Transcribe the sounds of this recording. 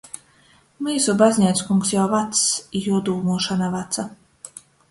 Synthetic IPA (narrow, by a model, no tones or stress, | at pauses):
miːsubazʲnʲat̪skuŋksjawvat̪sjuɔd̪uːmuɔʃanavat̪sa